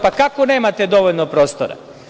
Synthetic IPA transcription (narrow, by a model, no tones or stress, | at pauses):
pakakone̞ːmat̪ed̪o̞ʋoʎnopɾoːst̪oɾa̰